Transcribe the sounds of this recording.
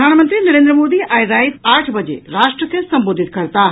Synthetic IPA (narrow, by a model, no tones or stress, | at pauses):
aːnmɐ̃nt̪ɾinɐɾẽːnd̪ɾəmoːd̪iɛ̃ːɾaːɪsaːɾʈʰbɐd͡ʑḛɾaːʃʈɾəkʰeːsɐ̃mboːd̪ʱɪt̪̚kɐɾt̪aː